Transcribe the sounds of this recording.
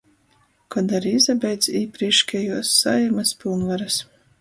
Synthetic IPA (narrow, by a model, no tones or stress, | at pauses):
kɔd̪aɾizabʲɛjd̪ziːpɾiɛʃkʲɛjuɔsːajɛmaspʲilˠnvaɾas